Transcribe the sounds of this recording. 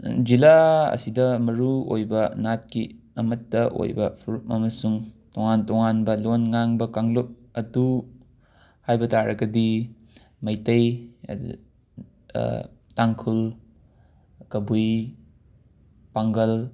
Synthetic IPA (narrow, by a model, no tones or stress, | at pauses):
d͡ʒilaɐ̰sidɐmɐɾuo̰jbɐnat̚ki | ɐmɐtːɐʔo̰jbɐ̰pʰuɾup̚ɐ̰mɐsuŋtoŋantɔŋanbɐlonŋaŋbɐkaŋlop̚ | ɐdu | hajbɐtaɾɐɡɐdi | mɐjtɐj | taŋkʰul | kɐbuj | paŋɡɐl